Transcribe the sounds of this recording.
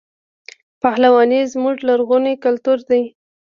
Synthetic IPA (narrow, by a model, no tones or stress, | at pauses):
pahlawɑnezmʊʐlaɾɣunikalt̪uɾd̪aj